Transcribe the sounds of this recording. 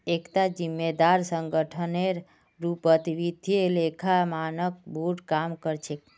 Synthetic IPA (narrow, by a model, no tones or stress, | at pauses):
ekt̪ad͡ʒimːed̪aɾsəŋɡəʈʰəneɾ | ɾupət̪iʋid̪ʱielekʰamanək̚bʱuɖkamkəɾt͡ʃʰe